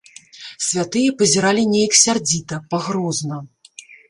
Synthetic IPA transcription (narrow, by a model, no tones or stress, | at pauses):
sʲvʲat̪ɨjɐpɐzʲɛɾalʲinʲejɐksʲard͡zʲit̪ɐpaɣɾɔznɐ